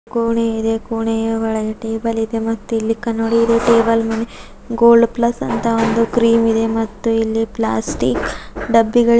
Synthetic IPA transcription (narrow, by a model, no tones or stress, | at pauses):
kuːɳeid̪e̞kuːɳejɐʋɐɭɐɡɐʈeːbɐlid̪e̞mɐt̪ːuilːikɐnːoːɽiːd̪eʈeːbɐlmɐne | ɡoːlɖplɐsːɐnt̪ɐond̪ukɾiːmid̪e̞mɐt̪ːuilːipla̰ːsʈikɖɐbːiɡɐɭ